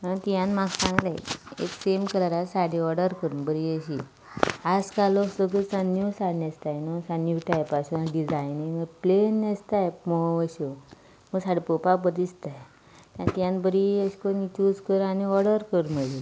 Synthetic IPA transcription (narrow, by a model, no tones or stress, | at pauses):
at̪jãnmaɡsãŋɡlajḛksemkəlaɾasaɽiɔɾɽəɾkəɾunbəɾiəɕi | ad͡zkalosəɡəsanusaɽnest̪ajnusanuʈajpasunaɖid͡zajniŋəplenːest̪ajmɔʋəɕo | məɡsaɽipopap̬ət̪ist̪aj | t̪ãnt̪jãnbəɾiəɕkonit͡ɕud͡zkəɾaniɔɾɽəɾkəɾməlil